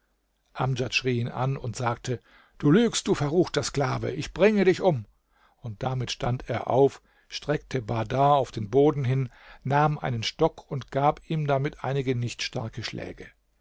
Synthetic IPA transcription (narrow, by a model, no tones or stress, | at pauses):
ʔamd͡ʒatʃʁ̥iːiːnʔa̰nʊntz̥aːk̚tʰə | d̥uːlyːkst̚d̥uːfɛɐʁuːxtɐsklaːvə̰ʔɪçb̥ʁɪŋədɪçʔʊm | ʊnt̚d̥amɪtʃta̰ntʰḛːɐʔa̰ʊf | ʃtʁ̥ɛk̚tʰəbadaːaʊfd̥eːnboːdn̩ɦɪn | naːmʔa̰ɪnənʃtɔkʰʊntɡ̥aːpiːmdamɪtʰʔa̰ɪnɪɡənɪçtʃta̰ɐkəʃlɛ̰ːɡə